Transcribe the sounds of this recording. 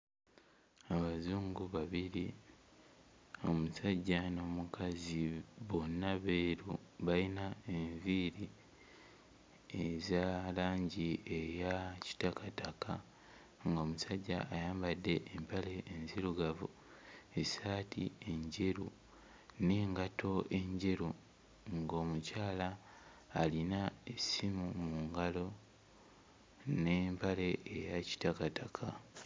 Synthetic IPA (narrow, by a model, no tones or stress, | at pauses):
aβazuːŋɡuβaβiɾi | o̞musaɟːano̞mukaziβonːaβeɾuβainaeɱviɾi | ezalaːɲɟiejaci̥takataka | ŋɡo̞musaɟːaːjaːmbadːe̞ʔːmpale̞ːnziɾuɡavu | esaːtḭe̞ɲɟeɾu | ne̞ːŋɡatʰo̞ʔe̞ɲɟeɾu | ŋɡo̞ːmucaːlaː | linaesimumuŋɡalo̞ | ne̞ːmpale̞ʔːjaci̥takatakʰa